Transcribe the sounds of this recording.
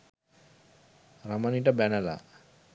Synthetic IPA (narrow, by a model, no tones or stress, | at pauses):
ramanit̪abanala̰